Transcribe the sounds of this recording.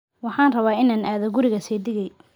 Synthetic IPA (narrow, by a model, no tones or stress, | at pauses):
wɑħɑːnrɐβaːɪnaːnʔaːðɔɡʊɾɪɣɐsɛːd̪ɪɣɛj